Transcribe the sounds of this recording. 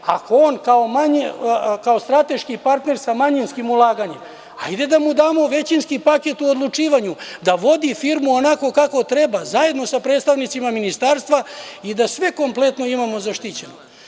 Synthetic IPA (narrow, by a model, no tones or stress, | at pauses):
a̰ko̞oːnkaomaɲekaost̪ɾat̪e̞ʃkipaɾt̪ne̞ɾsamaɲinskimulˠaːɡaɲem | a̰jd̪e̞d̪amud̪aːmo̞ʋe̞t͡ɕinskipake̞t̪uod̪lˠut͡ʂiːʋaɲud̪aʋo̞d̪ifiːɾmuonako̞kako̞t̪ɾe̞bazaje̞d̪no̞sapɾet̪st̪aʋnit̪simaminist̪aːɾst̪ʋaid̪asʋe̞ko̞mple̞t̪no̞imamo̞zaʃt̪it͡ɕeno